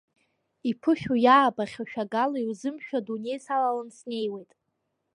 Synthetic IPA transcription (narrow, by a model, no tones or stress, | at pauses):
ipʰɨʃᶣujaːbaχʲaʃᶣaɡalaiwzɨmʃᶣadune̞jsalalansne̞jwe̞jtʼ